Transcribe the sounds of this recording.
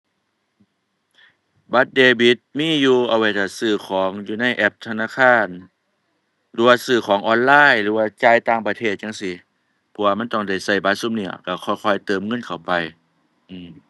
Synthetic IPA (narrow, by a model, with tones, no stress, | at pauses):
ba˧˦t̪̚deː˧bi˧˦t̪̚miː˧˥˨juː˧ʔa˧˩wa˧˩jt̪a˧˩sɯː˧˩kʰɔː˨˦ŋjuː˧na˧˩˨jʔɛ˧˦p̚t̪ʰa˧naː˧˨kʰaː˧˥˩n | lɯː˨˦waː˧sɯː˧˩kʰɔː˨˦ŋʔɔː˧˥nlaː˧˥˨jlɯː˨˦waː˧˩t͡ɕaː˧˨jt̪aː˧˨ŋpa˧t̪ʰeː˧˩t̪̚ɲa˧˥ŋsi˧˦ | pʰɔ˧˩waː˧ma˧˥˨t̪ɔ˧˩ŋda˧˩jsa˧˩jbaː˧˦su˧˨mni˧˩ɐka˧˩kʰɔː˧˩jkʰɔː˧˩jt̪ɤː˨mŋɤ˧˥˨nkʰa˨˩wpa˧j | ʔɯː˧˩m